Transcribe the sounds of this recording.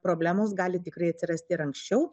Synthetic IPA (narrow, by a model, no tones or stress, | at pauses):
pɾoːbʲlʲæːmoːsɡɑːlʲɪt̪ʲɪkɾɐɪɐt̪ʲsʲɪɾɐsʲt̪ʲɪɪɾɐŋksʲt͡ʃʲɛʊ